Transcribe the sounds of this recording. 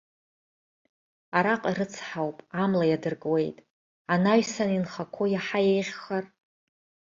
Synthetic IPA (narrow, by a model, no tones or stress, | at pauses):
aɾaqʼiɾɨt͡sʰħawpʼamlajadɨrkʼwe̞jtʼ | anaɥsaninχakʷʰojaħajejʁʲːar